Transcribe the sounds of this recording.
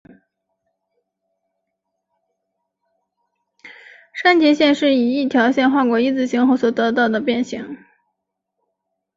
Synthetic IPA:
ʂa˥nt͡ɕjɛ˧˥ɕjɛ˥˧nʂɻ̩˥˩i˨˩i˥˩t̪ʰjɑ˧˥ʊɕjɛ˥˧nxwa˥˩kwɔ˨˩i˥˧t͡sɹ̩˥˩ɕi˧˥ŋxo˥˧ʊswɔ˨˩t̪ɤ˧˥t̪ɑ˥˩ʊd̪ə˩pjɛ˥˩nɕi˧˥˦ŋ

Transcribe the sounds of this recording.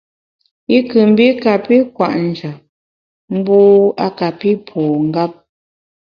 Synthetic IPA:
i˦kɯ˨m̩˦bi˦ka˨pi˦kwa˨ʔn̩˨d͡ʒa˨ | m̩˦boː˦a˦ka˨pi˦pʰɔː˨ŋ̩˦ɡa˦p̚

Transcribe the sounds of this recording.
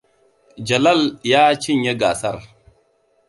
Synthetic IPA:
d͡ʒa˨la˦˨lja˦t͡ʃi˦ɲe˦ɡa˨sa̰˦˨ɾ

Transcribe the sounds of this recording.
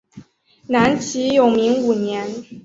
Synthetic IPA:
na˧˥nt͡ɕʰi˧˥jo˨˩ʊmi˧˥ŋu˨˩njɛ˧˥n

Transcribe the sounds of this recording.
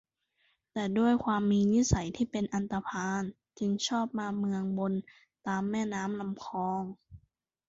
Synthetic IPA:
t̪ɛː˧˩du˥˩əjkʰwaː˧mːiː˧ni˦˥sa˨˩˦jt̪ʰiː˥˩pe˧nʔa˧nt̪a˧pʰaː˧n | t͡ɕʰɯ˧ŋt͡ɕʰɔː˥˩p̚maː˧mɯ˧əŋbo˧n | t̪aː˧mːɛː˥˩naː˦˥mla˧mkʰɔː˧ŋ

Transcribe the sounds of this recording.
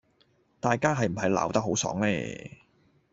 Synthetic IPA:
t̪aː˨jkaː˥ɦɐ˨jm̩˨˩ɦɐ˨jla̰ː˨wt̪ɐ˥k̚ɦo˨˥wsɔ̰ː˨˥ŋlɛ̰ː˥

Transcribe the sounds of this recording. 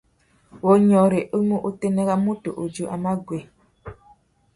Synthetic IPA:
wo˨ɲɔ˨ɾe˨ʔə˦mu˦ʔo˦te˦ne˦ɣa˦mu˦to̰˨ʔo˨d͡ʒu˦ʔa˨ma˦ɡwe˨

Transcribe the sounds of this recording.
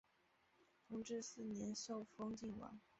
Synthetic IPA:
fʊ˧˥ŋʈ͡ʂɻ̩˥˧sɹ̩˥˩njɛ˧˥nʂo˥˩ʊfo˥ŋt͡ɕi˥˩ŋwɑ̰˧˥ŋ

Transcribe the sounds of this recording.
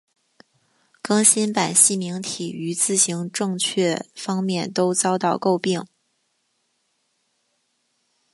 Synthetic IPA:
kɤ˥ŋɕi˥npa˨˩nɕi˥˩mi˧˥ŋt̪ʰḭ˨˩y˧˥t͡sɹ̩˥˩ɕi˧˥ŋʈ͡ʂɤ˥˧ŋt͡ɕʰɥɛ˥˩fɑ˥ŋmjɛ˥˩nt̪o˥ʊt͡sɑ˥ʊt̪ɑ˥˧ʊko˥˧ʊpi˥˩ŋ

